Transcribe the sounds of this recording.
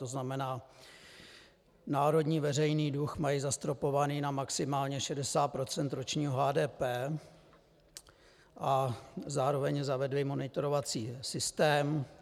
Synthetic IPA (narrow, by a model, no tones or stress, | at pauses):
t̪oznamɛnaː | naːɾo̞dɲiːvɛrɛjniːduxmajizast̪ɾo̞po̞vaniːnamaksɪmaːlɲɛʃɛdɛsaːt̪̚pɾo̞t͡sɛnt̪ɾo̞t͡ʃɲiːɦoɦaːdɛːpɛː | ʔazaːɾo̞vɛɲzavɛdlɪmo̞nɪt̪oɾo̞vat͡siːsɪst̪ɛːm